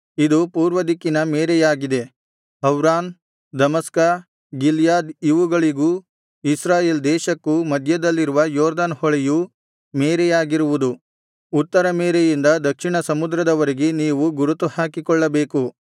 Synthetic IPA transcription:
id̪upuːɾʋɐd̪ikːinɐmeːɾɛjaːɡid̪e̞ | ɦɐwɾaːn | d̪ɐmɐskɐ | ɡiljaːd̪iʋuɡɐɭiɡuː | isɾaːje̞ːld̪ɛːʃɐkːumɐd̪ʱjɐd̪ɐlːiɾuʋɐjɔːɾd̪aːnhɔɭɛju | meːɾɛjaːɡiɾuʋud̪u | ut̪ːɐɾɐmeːɾejind̪ɐd̪ɐkʂiɳɐsɐmud̪ɾɐd̪ɐʋɐɾeɡeniːʋuɡuɾut̪uhaːkikɔɭːɐbe̞ːku

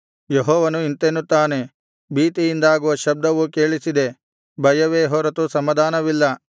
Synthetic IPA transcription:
jeɦɔːʋɐnuint̪enːut̪ːaːne̞ | biːt̪ijind̪aːɡuʋɐʃɐb̚d̪ɐʋuke̞ːɭisid̪e̞ | bʱɐjɐʋeːɦɔːɾɐt̪usɐmɐd̪aːnɐʋilːɐ

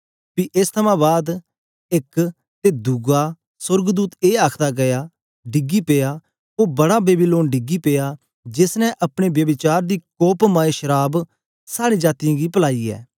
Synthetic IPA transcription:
piːʔɪst̪ʰəmãːbaːd̪ | ɪk | t̪eːd̪uɡaː | sʊɾɡd̪uːt̪eːaːkʰd̪aːɡɐjaː | ɖɪɡiːpeːjaː | oːbɐɽaːbeːbɪloːnɖɪɡiːpeːjaː | d͡ʒɪsnɛ̃ʔɐpɽ̃eːbjəbɪt͡ʃaːɾd̪iːkoːpmaːeʃəɾaːb | saːɽid͡ʒaːt̪ɪjãːɡiːpəlaːiːɛ̰ː

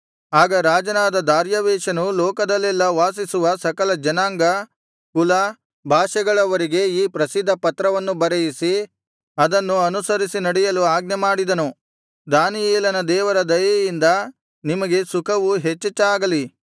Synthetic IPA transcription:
aːɡɐɾaːd͡ʒɐnaːd̪ɐd̪aːɾjɐʋɛːʃɐnulɔːkɐd̪ɐlːɛlːɐʋaːsisuʋɐsɐkɐlɐd͡ʒɐnaːŋɡɐ | kulɐ | bʱaːʃɐɡɐɭɐʋɐɾiɡe̞iːpɾɐsid̪ʱːɐpɐt̪ɾɐʋɐnːubɐɾɐjisi | ɐd̪ɐnːuɐnusɐɾisinɐɽɛjɐluaːɡnɐmaːɽid̪ɐnu | d̪aːnijɛːlɐnɐd̪ɛːʋɐɾɐd̪ɐjɐjind̪ɐ | nimɐɡe̞sukʰɐʋuɦet͡ʃːɐt͡ʃːɐaːɡɐli

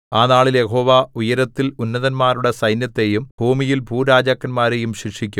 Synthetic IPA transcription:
aːnaːɭilje̞ho̞ːʋaujɐɾɐt̪ːilunːɐðɐnmaːɾuɽesɐjnjɐt̪ːe̞jumbʱuːmijilbʱuːɾaːd͡ʑaːkːɐnmaːɾe̞jumɕikʂikʲːum

